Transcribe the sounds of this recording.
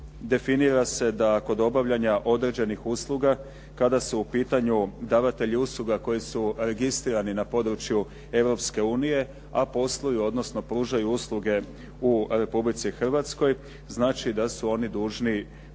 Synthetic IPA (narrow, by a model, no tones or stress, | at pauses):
d̪e̞finiɾase̞d̪ako̞d̪o̞baʋʎaɲaʔo̞d̪ɾe̞d͡ʑe̞nixuslˠuɡa | kad̪asuupiːt̪aɲud̪aːʋat̪e̞ʎiuslˠuɡako̞jisuɾe̞ɡist̪ɾiːɾaninapo̞d̪ɾut͡ʃju | e̞ʋɾo̞pske̞uːnije̞ | apo̞slˠojuo̞d̪no̞sno̞pɾuːʒajuuslˠuɡe̞ | uɾe̞publit̪sixr̩ʋat̪sko̞j | znaːt͡ʃid̪asuo̞nid̪uːʒni